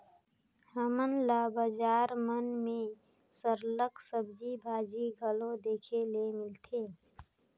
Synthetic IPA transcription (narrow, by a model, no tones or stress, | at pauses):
həmənlaːbad͡ʒaːɾmənmẽ | səɾləksəbd͡ʒibʱaːd͡ʒiɡʱəlõd̪eːkʰelemɪlt̪ʰeː